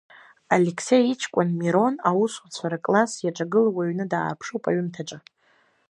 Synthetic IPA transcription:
alekʰsejit͡ʃʰkʷʼanmiɾo̞nawuswat͡sʷʰaɾakʼlasjaʈ͡ʂʼaɡɨlawaɥnɨdaːpʰʂowpʼa̰ɥmtʰaʈ͡ʂʼa

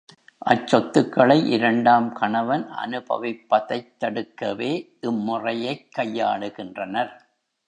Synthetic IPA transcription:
ʔɐt͡ʃːɔt̪ːɯkːɐɭɐɪʔɪɾɐɳɖaːmkɐɳɐʋɐnʔɐ̰nɯbɐ̰ʋɪpːɐðɐɪt̪ːɐɽɯkːɐʋeːʔɪmːʊrɐjɐɪkʰːɐjːa̰ːɽɯɣɪndrɐnɐɾ

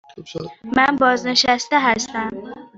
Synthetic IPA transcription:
mænbɒːzneʃæst̪eɦæst̪æm

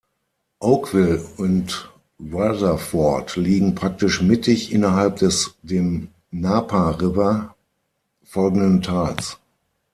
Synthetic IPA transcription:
ʔoʊkv̥ɪlʊnt | wazɐfɔɐtliːɡŋ̩pʁ̥ak̚tɪʃmɪtɪçʔɪnɐɦalp̚d̥ɛsdeːm | naːpʰaʁɪpɐ | fɔlɡŋ̩dəntʰaːlt͡s

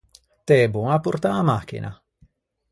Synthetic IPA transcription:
t̪ebuŋapurt̪amak̟ḭnʔa̰

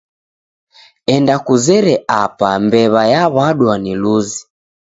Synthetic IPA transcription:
ɛndakuzɛɾɛʔapambɛβajaβaɗwaniluzi

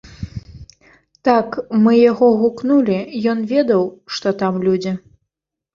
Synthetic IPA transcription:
t̪akmɨjaɣɔɣuknulʲijɔnvʲɛd̪ɐwʂt̪ɔt̪amlʲud͡zʲi

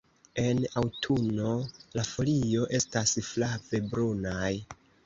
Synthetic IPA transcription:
e̞nawtʰuno̞lafo̞lio̞ʔe̞stasflave̞bɾunaj

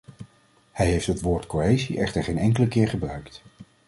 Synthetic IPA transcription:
hɛjɦejftɦətʋʊːɹtkoejziʔɛχtəɹχejnɛŋkələkɪːɹχəbrœɥkt

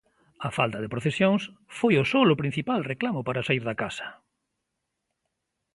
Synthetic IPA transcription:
ɐfalt̪ɐð̞epɾoθesjoŋsfojʊsolʊpɾin̟θipalreklamʊpaɾasaiɾðakasɐ̥

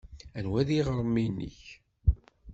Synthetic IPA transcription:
ænwæðiʁɾˤəmːinːə̰ç

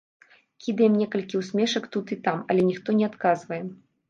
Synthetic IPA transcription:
kʲid̪ɐjɛmnʲɛkɐlʲkʲiwsʲmʲɛʂɐkt̪ut̪it̪amɐlʲɛnʲixt̪ɔnʲɛat̪kazvɐjɛ

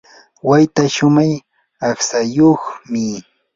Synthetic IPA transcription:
wajt̪aʃʊmaj | aχsajoχmɪ

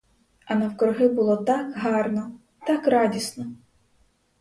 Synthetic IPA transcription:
ɐnɐwkɾʊɦɪbʊlˠɔt̪ɑkɦɑrnɔ | t̪ɑkɾɑdʲisnɔ

